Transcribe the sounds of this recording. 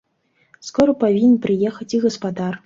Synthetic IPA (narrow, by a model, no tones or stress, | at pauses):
skɔɾɐpavʲinʲpɾɨjɛxɐt͡sʲiɣɐspad̪ar